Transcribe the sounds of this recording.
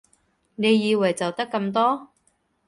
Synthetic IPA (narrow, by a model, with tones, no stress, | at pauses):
ne˨˧jjiː˨˧wɐ˨˩jt͡sɐ˨wt̪ɐ˥kːɐ˧mt̪ɔː˥